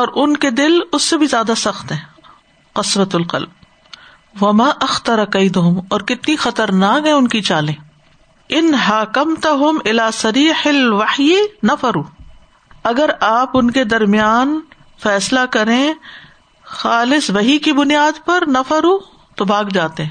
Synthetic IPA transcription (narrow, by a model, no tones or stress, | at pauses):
ɔːɾʔʊnked̪ɪlʊsːebʱizjaːd̪asɐxt̪ɦɛ̃ː | qɐsʋɐt̪ʊlqɐ̰lb̚ | ʋɐmaːʔɐxt̪ɐɾɐkɐɪt̪ʊɦʊmɔːɾkɪt̪nixɐt̪əɾnaːkɦɛ̃ʊnkit͡ʃaːlẽː | ɪnɦaːkɐmt̪ɐɦʊmɪlaːsɐɾiːħɐlʋɐħjinɐfɐɾuː | ɐɡəɾaːpʊnked̪ɐɾmijaːn | fɛːslakɐɾẽ | xaːlɪsʋɐɦikibʊnijaːd̪pɐɾnɐfɐɾuː | t̪obʱaːɡd͡ʒaːt̪eɦɛ̃ː